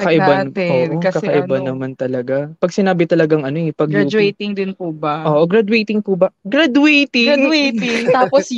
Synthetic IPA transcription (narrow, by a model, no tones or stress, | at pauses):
kɐkɐʔɪbanʔookɐkɐɐʔɪb̪banːɐmant̪ɐlɐɡapɐɡsɪnaːbɪt̪ɐlɐɡaŋɐnojɪpɐɡjud͡ʒɛjt̪ɪŋd̪ɪnpubɐʔoːʔoɡɾad̪wɛjt̪ɪŋpʊbɐɡɾad̪uɛjt̪ɪad̪wɛjt̪ɪŋt̪aːpos